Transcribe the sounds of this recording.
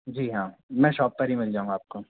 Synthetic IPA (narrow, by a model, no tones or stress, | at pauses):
d͡ʒiːɦãːmɛ̃ːʃɔːp̚ːɐɾɦimɪld͡ʒaːũŋɡaːp̚ko